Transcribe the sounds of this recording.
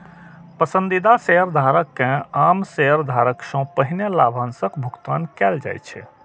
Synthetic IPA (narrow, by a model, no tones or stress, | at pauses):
pəsə̃nd̪id̪aseɦəɾd̪ʱaɾəkːẽamseɦəɾd̪ʱaɾəksɔ̃pəɦinelabʱansəkbʱukt̪ankɛld͡ʒa̰jt͡ʃʰɛ̰